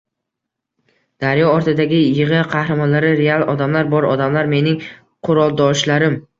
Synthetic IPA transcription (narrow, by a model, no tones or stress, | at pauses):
d̪̥aɾjɒɒɾt̪ʰɪd̪aɡʲɪjɪʁɨqʰɑhɾamɒnlaɾɪɾe̞alˠɒd̪amlaɾbɒɾɒ̰d̪amlaɾme̞nɪŋ | qʰʊɾɒlˠd̪ɒʃlaɾɪm